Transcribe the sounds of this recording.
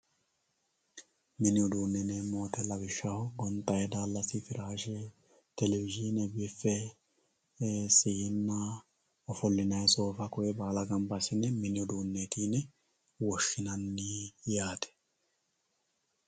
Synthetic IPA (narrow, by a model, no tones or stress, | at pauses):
mɪnɪʊd̪uːnːɛnemoːt̪ɛlɐbɪʃːɐhʊɡɔnt̪ʼːɐjɛd̪aːlːɐsɪfɪɾaːʃɛ | t̪ɛlɛvɪʒɪnɛbɪfːɛ | siɪnːɐ | ɔfɔlːɪnɐjso̞ːfɐkʊʔɛbaːlɐɡɐmbɐsɪnɛmɪnɪʊd̪uːnːet̪iːn | wɔʃːɪnɐnːiːjaːt̪ɛ̥